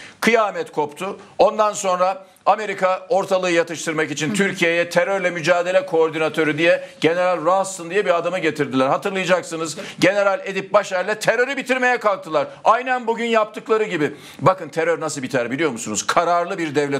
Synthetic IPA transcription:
kʰɯjaːmɛt̪kʰo̞pt̪ʰʊo̞nd̪anso̞nɾa | ame̞ɾikʰao̞ɾt̪ʰalˠɯːɯjat̪ɯʃt̪ɯɾmakit͡ʃʰint̪ʰyɾcʰijejɛt̪ʰeɾøɾlʲɛmyd͡ʒaːd̪e̞lʲɛkʰo̞ːɾd̪inat̪ʰø̞ɾyd̪ijɛɟ̥e̞ne̞ɾalʲɾast̪ɯnd̪ijɛbiad̪amɯɟet̪ʰiɾd̪ilʲæɾhat̪ɯɾlˠɯjɯd͡ʒaksɯnɯzɟe̞ne̞ɾalʲe̞d̪ip̚baʃæɾlʲɛt̪ʰe̞ɾø̞ɾybit̪ʰiɾme̞jɛkalˠk̚t̪ʰɯlˠaɾajnænbuɟynjap̚t̪ʰɯklˠaɾɯɟibɪ | bakɯnt̪ʰe̞ɾøɾnasɯbit̪ʰæɾbilʲijo̞ɾmusunuz̥kʰaɾaɾlˠɯbiɾd̪ɛvlʲɛ

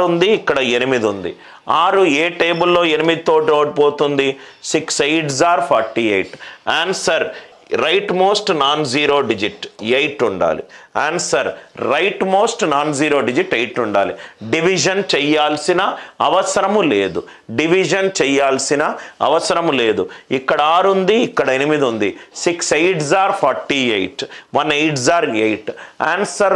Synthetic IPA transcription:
und̪iːkːɐɽɐenimid̪und̪ḭ | aːɾueːʈeːbulːo̞ːenimid̪it̪oːʈiɾoːʈpoːt̪und̪isiksejʈs̬aːɾpʰaːɾʈiːejʈaːɳnsɐɾ | ɾɐjʈmoːsʈnaːnziːɾoːɖid͡ʒiʈejʈːuɳɖa̰ːlḭaːɳsɐɾːɐjʈmo̞ːsʈnaːnziːɾo̞ːɖid͡ʒiʈːɐjʈːuɳɖa̰ːliɖiʋid͡ʒɐnt͡ʃɛjːaːlsinɐɐʋɐsɐɾɐmuleːd̪u | ɖiʋid͡ʒɐnt͡ʃɛjːaːlsinɐɐ̰ʋɐsɐɾɐmle̞ːd̪uikːɐɽɐaːɾund̪iːkːɐɽɐenimid̪und̪isiksejʈs̬aːɾpʰɔɾʈiːejʈʋɐnejʈsaːɾejʈaːnsɐɾ

